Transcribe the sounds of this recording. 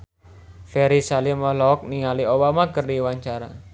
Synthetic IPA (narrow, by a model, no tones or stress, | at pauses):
fɛɾisalimɔlɔk̚niŋaliobamakərdiwaɲt͡ʃaɾa